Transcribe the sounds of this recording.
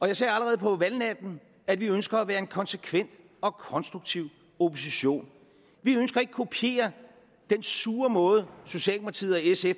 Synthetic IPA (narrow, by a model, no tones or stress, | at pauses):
ɒ̽jɑ̈ɪsɛ̰ːæləʁɛːð̞̩ˠpʰɒ̽ʋælnæd̥n̩ | æd̥ʋiønsɡ̥ɐæʋæːɐe̝nkʰɒ̽nsekʰʋen̰d̥ | ɒ̽kʰɒ̽nsd̥ʁuɡ̥̚t͡sʰiʊ̰ | opʰo̝siɕo̝̰ːn | ʋiønsɡ̥ɐe̝ɡ̥ə̥kʰo̝pʰie̝̰ːɐ | d̥ensuːɐmɔ̽ːð̞̩ˠso̝ɕɛ̰ːlmpʰɑt͡sʰḭːð̩ˠɒesef